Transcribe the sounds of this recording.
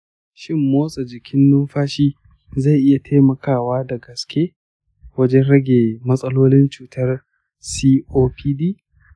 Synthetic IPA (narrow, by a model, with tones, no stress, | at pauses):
ʃɪ˦mːoː˦sʼɐ˨d͡ʒɪ˨kʲʰɪ˦nːʊ˦mɸaː˦ʃiː˦ | za˦˨ʔɪ˦ja˨tʰa˦mɐ˨kaː˦˨waː˦dɐ˨ɡɐ˨skʲʰeː˦ | wɐ˦d͡ʒɛ˦nɽɐ˦ɡʲeː˨mɐ˦sʼɐ˦loː˦lɪ˦nt͡ʃuː˨tʰɐ˦r | siː˦ʔoː˦pʰiː˦diː˦